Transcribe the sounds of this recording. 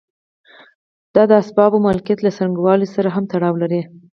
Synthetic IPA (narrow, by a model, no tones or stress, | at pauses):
d̪̥ɑd̪əasbɑbomalkjat̪lasaŋɡwɑlisaɾaɦamt̪aɽɑwlaɾi